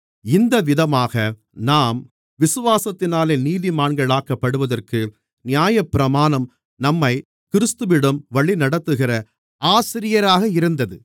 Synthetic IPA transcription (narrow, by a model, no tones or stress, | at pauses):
ɪnd̪ɐʋɪðɐmaːɣɐ | naːm | ʋɪsɯʋaːsɐt̪ːɪnaːleːniːðimaːɳɡɐɭaːkɐpːɐɽɯʋɐðɐrkɯ | nɪjaːjɐpːɪɾɐmaːnɐm | nɐmːɐɪ | kɪɾɯst̪ɯʋɪɽɐmʋɐɭinɐɽɐt̪ːɯɣɪrɐ | aːsɪɾɪjɐɾaːɣɐɪɾɯnd̪ɐðɯ